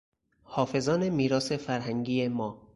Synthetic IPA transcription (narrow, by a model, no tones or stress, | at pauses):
hɒːfe̞zɒːnemiːɾɒːse̞fæɾɦæŋɡiːjemɒː